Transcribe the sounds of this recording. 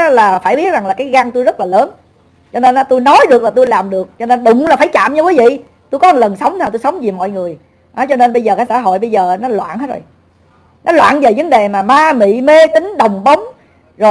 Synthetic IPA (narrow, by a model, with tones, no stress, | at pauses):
laː˨˩faː˧˩jɓi˦˥ət̚za˨˩ŋlaː˨˩kaː˨˦jɣa˧nt̪u˧jzə˦˥t̚laː˨˩ləː˨˦n | t͡ɕɔ˧ne˧nʔɔ˨˦t̪u˧jnɔ˨˦jɗɨ˨˩ək̚laː˨˩t̪u˧jlaː˨˩mɗɨ˨˩ək̚t͡ɕɔ˧ne˧nɗʊ˨ŋ͡mla˨˩faː˧˩jt͡ɕa̰ː˧˨mɲ˧kiː˨˦vḭ˧˨ | t̪u˧jkɔ˨˦˨lə˨˩nsə˨˦wŋ͡mt̪ʰaː˨˩t̪u˧jsə˨˦wŋ͡mzi˨˩mɔ̰˧˨jŋɨ˨˩əj | ʔɔ˨˦t͡ɕɔ˧ne˧nɓə˧jzəː˨˩kaː˨˦jsaː˧˩ɦo̰˧˨jɓə˧jzəː˨˩nɔ˨˦lwa̰ː˧˨nhaː˨˦˥tzo̰˨˩j | nɔ˨˦lwa̰ː˧˨nve˨˩və˨˦nɗe˨˩maː˨˩maː˧mḭ˧˨me˧t͡ɕi˨˦ŋ̟ɗə˨˩wŋ͡mɓə˨˦wŋ͡m | zo˨˩